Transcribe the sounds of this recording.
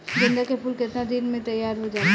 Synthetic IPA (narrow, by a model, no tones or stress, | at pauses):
ɡɪ̃nd̪akepuːlkɪt̪nad̪inmẽt̪ɐjːaːɾɦod͡ʒaː